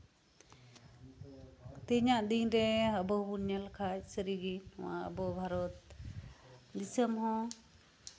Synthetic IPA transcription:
t̪eɲaʔd̪inɾɛəbɔbunːalkʰat͡ʃsəɾiɡinwã̰ə̰bɔbʱaɾɔt̪̚ | d̪isəmɦɔ̃

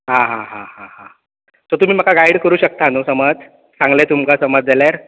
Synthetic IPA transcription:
ɦãɦãɦãɦãɦã | t̪ot̪um̤iːm̤akaɡajɽkəɾuːɕək̚t̪anusəməd͡z | sãŋɡlet̪umkasəməd͡zd͡zalaɾ

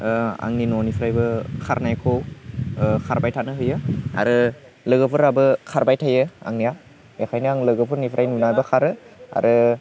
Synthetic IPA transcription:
a̰ŋninonipʰɾajbɯkʰaɾnajkʰow | kʰaɾbajtʰanɯɦɯjɯa̰ɾɯ | lɯɡɯpʰɯɾabɯkʰaɾbajtʰajɯa̰ŋnija | jakʰajnɯaŋlɯɡɯpʰɯɾnipʰɾʔajnunajbɐkʰaɾɯa̰ɾʔɯ

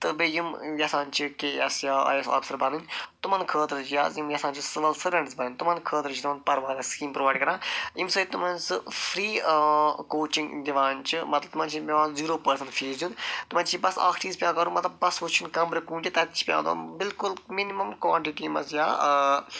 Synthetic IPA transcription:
t̪ɨbijimjɐsãːnt͡ʃʰikeːɐsjaːa̰ːjɐsɔ̰ːfsɐɾbɐnunʲt̪umɐ̃nkʰəːt̪ɾd͡ʒijaːzjimjɐsãːnt͡ʃʰisɪʋɐlsɐɾɐ̃ɳɖzbɐnnʲt̪umɐ̃nkʰəːt̪ɾt͡ʃʰit̪umɐ̃npɐɾʋaːd̪ɐskiːmpɾoʋaːɖkɐɾãːjimsɐt̪umɐ̃nsɨfʰɾiː | koːt͡ʃĩŋɡd̪ʲiʋãːnt͡ʃimɐt̪lɐbt̪umɐ̃ːnt͡ʃʰibiʋãːnziːɾoːpɐɾsɐ̃ɳfʰeːɾd͡ʒunt̪umɐ̃nt͡ʃʰibɐsa̰ːkʈiːzpʲjãːkɐɾũmɐt̪lɐbːɐsut͡ʃʰːinkɐ̃mbɾɐkũːnd͡ʒit̪ɐt̪t͡ʃʰi̥pʲjã̰ːd̪a̰ːbɪlkʊlminimɐmkwa̰ːɳʈiʈimɐ̰sjaː

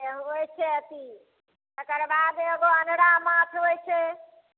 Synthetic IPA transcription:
eɦojt͡ʃʰeət̪i | t̪əkəɾbad̪eɡoənɾamãt̪ʰɦojt͡ʃʰe

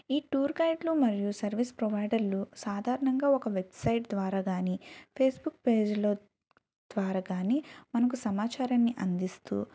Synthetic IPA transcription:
iːʈuːɾɡɐjʈlumɐɾijusɐɾʋispɾobɐjɖɐɾlusaːd̪ʱaːɾɐɳɐŋɡaːɔkɐʋebsɐjʈd̪ʋaːɾaːɡaːniːpʰeːsbukːpe̞ːd͡ʒlo̞ː | d̪̥ʋaːɾaːɡaːniːmɐnɐk̬usɐmaːt͡ʃaːɾɐnːiʔɐnd̪ist̪ṵː

